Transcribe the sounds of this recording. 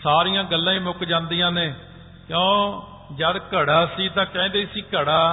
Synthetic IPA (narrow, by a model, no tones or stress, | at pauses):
saːɾijãːɡəlːãːĩːmʊkd͡ʒãːnd̪ijãːneː | kjõː | d͡ʒəd̪kəɽaːsiːt̪ãːkɛ̃ːnd̪eːsiːkəɽaː